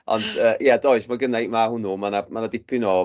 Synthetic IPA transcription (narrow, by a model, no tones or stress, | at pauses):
ɔ̰nd̥əːʔjɛdɔɨsmaɡənejmahʊnumanamanadɪpʰɪnɔː